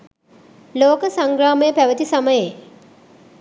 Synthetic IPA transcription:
loːkəsaŋɡɾaːməjəpæʋət̪isaməje

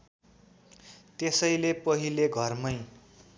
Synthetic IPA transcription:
t̪esʌjlepʌɦileɡʱʌrmʌj

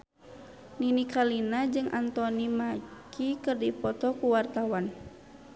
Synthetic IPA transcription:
ninikalinad͡ʒɨŋʔant̪ɔnimakʰikɨrdipɔt̪ɔkuwart̪awan

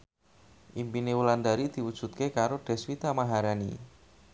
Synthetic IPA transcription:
ʔimpinewuland̪aɾid̪̥i̤wud̥ʒ̥ṳt̪̚kekaɾoɖ̥ɛ̤swit̪amaɦaɾanḭ

